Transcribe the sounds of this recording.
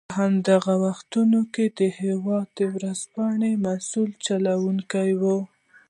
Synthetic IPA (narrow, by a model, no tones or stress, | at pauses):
pəɦamd̪aɣawaxt̪unoked̪əhewɑd̪̚əwɾəzpɑɳemasult͡ʃalawuŋkajwə